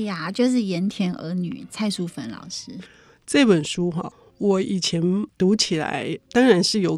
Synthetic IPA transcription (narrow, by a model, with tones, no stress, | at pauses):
ja˥˩t͡ɕjo˥˧ʊʂ̬ɻ̩˥˩jɛ˧˥nt̪ʰjɛ˧˥nʔə̰˧˥ny̰˨˩t͡sʰa˥˧ɪsu˥˩fə˧˥nlɑ̰˨˩ʊʂɻ̩˥ | ʈ͡ʂɤ˥˩pə˨˩nʂu˥xɑ̰˨˧ | wɔ˨˩i˨˩t͡ɕʰjɛ˧˥nt̪u˧˥t͡ɕʰi˨˩la̰˧˦ɪt̪ɑ˥ŋɻa˧˦˥nʂɻ̩˥˩jo˨˩ʊ